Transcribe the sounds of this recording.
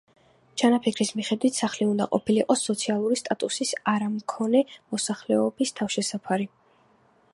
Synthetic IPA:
t͡ʃʰanapʰikʰɾismiχɛd̪wit̪ʰsaχliund̪a̰qʼɔ̰pʰiliqʼɔsːɔt̪sʰialˠuɾist̪ʼat̪ʼusisaɾamkʰɔnɛmɔsaχlɛɔbist̪ʰafʃɛsapʰaɾi

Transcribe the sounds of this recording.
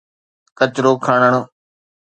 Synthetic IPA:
kət͡ʃɾoːkʰaːɳəɳ

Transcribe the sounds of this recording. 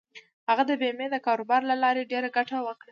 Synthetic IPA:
haɣad̪əbemed̪əkɑɾobɑɾlalɑɾeɖeɾaɡaʈawəkɽa

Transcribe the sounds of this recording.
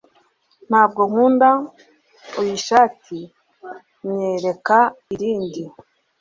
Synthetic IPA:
n̥haːb̚ɡoŋ̥uːnda | ojiʃaːtʰi | mɲeɾe̞kaiɾiːndi

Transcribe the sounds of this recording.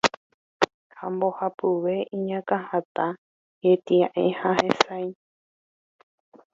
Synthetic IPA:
hãmbohapɨʋe̞ʔĩɲãkãhat̪a | jet̪iãʔḛ̃hãhẽsaj

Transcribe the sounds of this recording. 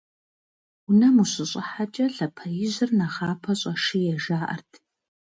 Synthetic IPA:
ʊnɐmuɕʼɪɕʼɪħat͡ʃʼɐɬɐpʰɐjɪʑɨrnɐʁɑːpʰɐɕʼɐʂijɛʒaːʔɐ̰rtʰ

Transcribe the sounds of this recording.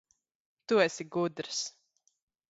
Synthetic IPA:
t̪uɛsʲiɡud̪ɾɨs

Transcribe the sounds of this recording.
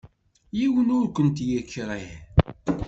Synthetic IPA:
jiwənʊɾkʷənt̪jəkːɾˤiħ

